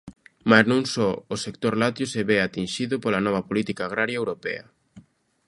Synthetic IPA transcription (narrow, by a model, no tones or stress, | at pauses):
maznũŋsɔosekt̪oɾlat̪joseβɛat̪inʃiðʊpolɐnɔβ̞ɐpolit̪ikaːɣɾaɾjaewɾopɛ̰ɐ